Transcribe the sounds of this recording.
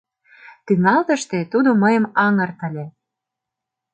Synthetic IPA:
t̪yŋɑlt̪ə̆ʃt̪et̪ud̪oməjə̆mɑŋə̆rt̪ə̆lʲe

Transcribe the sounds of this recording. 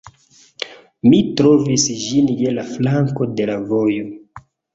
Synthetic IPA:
mitɾo̞visd͡ʒinjelaflaŋko̞de̞lavo̞jo̞

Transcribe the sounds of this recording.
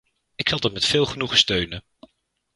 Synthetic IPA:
ɪksɑlˠdɑtmɛtfɪːlˠχənuχəstøɥnən

